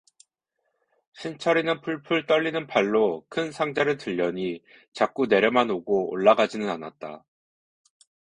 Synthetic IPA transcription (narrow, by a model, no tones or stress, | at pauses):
ɕʰint͡ɕʰʌɾinɯnpʰuɭpʰuɭt͈ʌʎːinɯnpaɭːokʰɯnsʰaŋd͡ʑaɾɯɭtɯʎːʌɲi | t͡ɕak͈une̞ɾjʌmanoɡoo̰ɭːaɡad͡ʑinɯnanat̚t͈a̰